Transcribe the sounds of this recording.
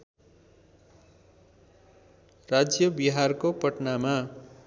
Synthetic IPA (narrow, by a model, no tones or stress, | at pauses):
rad͡zjʌbiɦarkopʌʈnama